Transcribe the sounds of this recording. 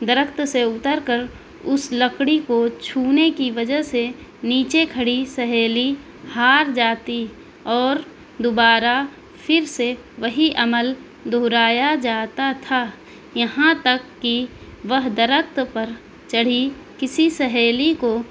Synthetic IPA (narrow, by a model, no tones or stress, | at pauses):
d̪ɐɾəkʰt̪seʊt̪əɾkəɾ | ʊsləkɽikot͡ʃʰuːnekiʋəd͡ʒəɦseniːt͡ʃekʰɐɽisəɦeːli | haːɾd͡ʒaːt̪i | ɔːɾ | d̪obaːɾa | pʰɪɾse | ʋəɦiʔɐməl | d̪ʱoːɾaːjad͡ʒaːt̪at̪ʰaː | jɐɦãt̪ɐkːi | ʋəɦd̪əɾək̚ʰt̪pɐɾ | t͡ʃɐɽ̤i | kɪsisəɦeːliko